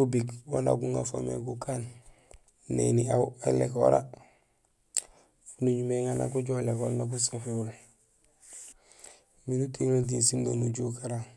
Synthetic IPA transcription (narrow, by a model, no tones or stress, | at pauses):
ubikwana̰ɡuŋafo̰mḛkukaːn | nḛniauelḛko̰ɾa̰ | nuɲumeŋana̰kuɟolekolnak̬usafeul | minutiŋod̬insimbanuɟukaɾa